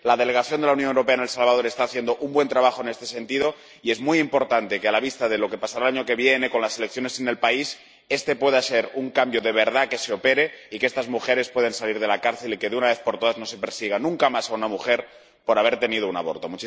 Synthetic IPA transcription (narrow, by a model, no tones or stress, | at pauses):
lað̞e̞le̞ɣ̞aθjo̞nd̪e̞launjonewɾo̞peaene̞lsalβað̞oɾest̪aːθjend̪oʔumbwe̞nt̪ɾaβaxoene̞st̪e̞se̞nt̪iðo̞ | ie̞zmwujimpo̞ɾt̪ant̪e̞kealaβ̞ist̪að̞e̞lo̞ke̞pasaɾalaɲo̞ke̞βje̞ne̞ko̞nlasele̞k̚θjo̞ne̞sene̞lpais | e̞st̪e̞pwe̞ð̞ase̞ɾuŋkambjo̞ðe̞β̞e̞ɾð̞ake̞seope̞ɾe̞ikest̪azmuxe̞ɾe̞spwe̞ð̞ensaliɾðe̞lakaɾθe̞like̞ðeunaβe̞θpo̞ɾt̪o̞ð̞aznose̞pe̞ɾsiɣ̞anũŋkamasaunamuxe̞ɾ | po̞ɾaβ̞e̞ɾt̪e̞nið̞o̞unaβo̞̰ɾt̪o̞mut͡ʃi